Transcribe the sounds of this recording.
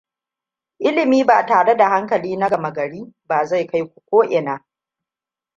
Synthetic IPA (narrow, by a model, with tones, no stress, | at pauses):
ʔɪ˦lɪ˨miː˦baː˨taː˨ɽe˦da˨ha˦ŋkɐ˨liː˦na˦ɡɐ˨mɐ˨ɡɐ˨ɽiː˦baː˨za˦˨jka˦jkʷu̥˨kʷoː˦ʔɪ˨naː˦